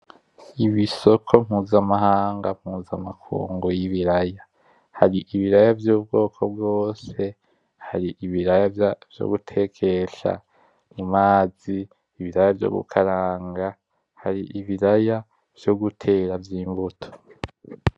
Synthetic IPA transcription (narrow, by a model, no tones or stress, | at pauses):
iβiso̞kʰo̞m̥huːzamaɦaːŋɡam̥huːzamakʰṵːŋɡujiβiɾaja | haɾiʔiβiɾajavjuːb̚ɡo̞ːkʰo̞bɡo̞ːse̞ | haɾiʔiβiɾajav̥jo̰ɡutʰe̞kʰe̞ʃa̰ | nimaːz̥iː | βiɾajavjo̰ɡṵkʰaɾaːŋɡa | haɾiʔiβiɾaja | v̥jo̞ɡutʰe̞ːɾavjiːmbutʰo̥